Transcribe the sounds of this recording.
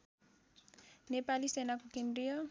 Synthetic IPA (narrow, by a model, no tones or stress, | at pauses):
nepalisenakukenɾijɔ